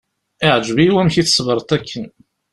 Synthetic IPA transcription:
ɪʕd͡ʒviwæmçiθə̥svəɾˤt̪ækʰːən

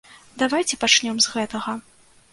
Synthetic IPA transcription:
d̪avajt͡sʲɛpat͡ʂnʲɔmzɣɛt̪ɐɣɐ

